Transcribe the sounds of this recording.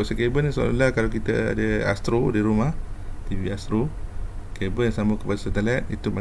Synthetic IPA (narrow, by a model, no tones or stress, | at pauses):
ɔʔsəkebənso̰lalahkalakit̪ə̰a̰dəa̰st̪ɾodiɾumaht̪iviast̪ɾokebənjaŋsaməkəpadasət̪alɛt̪̚it̪uma